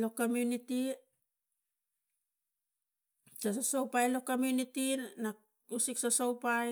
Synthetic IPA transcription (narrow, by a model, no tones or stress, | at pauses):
lo̞komjuniti | sasasowpajlo̞komjunitina | usiksasowpaj